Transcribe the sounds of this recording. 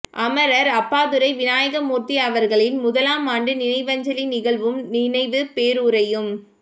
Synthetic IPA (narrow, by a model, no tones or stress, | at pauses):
ʔɐmɐɾɐɾɐpːaːðɯɾɐɪʋɪnaːjɐɣɐmuːɾt̪iɐʋɐɾɣɐɭɪnmʊðɐlaːmaːɳɖɯnɪnɐɪʋɐɲd͡ʒɐlinɪɣɐɭʋɯmnɪnɐɪʋɯpeːɾuːɾɐjɯm